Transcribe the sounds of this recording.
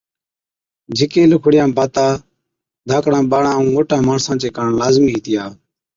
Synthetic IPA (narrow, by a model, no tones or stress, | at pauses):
d͡ʒʱɪkeːlʊkʰɽɪjãːbʱaːt̪aː | d̪ʱaːkɽãːɓaːɳãːũːŋoːʈãːmaːɳsãːt͡ʃeːkaːɳlaːzmiːɦiːt̪ɪjaː